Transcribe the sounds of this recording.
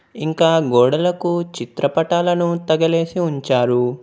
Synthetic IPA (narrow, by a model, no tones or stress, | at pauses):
iŋkaːɡɔːɽɐlɐkut͡ʃit̪ɾɐpɐʈaːlɐnut̪ɐɡɐle̞ːsiuɲt͡ʃaːɾu